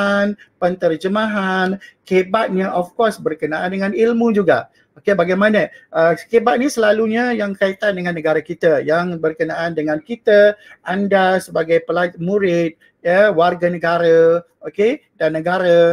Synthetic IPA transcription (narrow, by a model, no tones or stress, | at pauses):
anpənt̪ərd͡ʒəmaɦankebat̪̚ɲaʔɔfkɔsbərkənaʔandəŋanilmũd͡ʒuɡa̰ | okebaɡajmanəʔəkebat̪̚nisəlaluɲajaŋkait̪andəŋãnːəɡaɾəkit̪əjaŋbərkənaʔandəŋankit̪əʔandasəbaɡajpəlat̪̚muɾɪt̪̚ | jəwarɡanəɡaɾə | okedanːəɡaɾə